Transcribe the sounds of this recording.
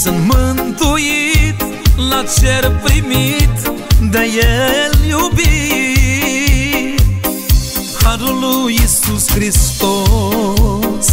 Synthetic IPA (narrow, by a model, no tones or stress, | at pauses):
sɨnmənt̪ujit̪ | lat͡ʃeɾpɾimit̪d̪əjeljubi | haɾulujisuskɾist̪o | s